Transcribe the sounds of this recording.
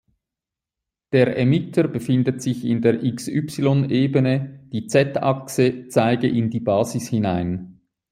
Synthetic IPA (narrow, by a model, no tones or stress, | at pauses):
d̥eːʁʔɛmɪtʰəbəfɪndətz̥ɪçɪndeːɐʔɪksypsilɔneːbənəd̥iːt͡sɛtʰɑ̰ksət͡saɪɡəʔɪndiːbɑːzɪshɪnaɪn